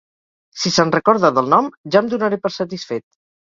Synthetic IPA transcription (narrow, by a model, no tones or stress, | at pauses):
sisənrəkɔɾðəðəlˠnɔmʒamd̪unəɾepəɾsət̪isfet̪̚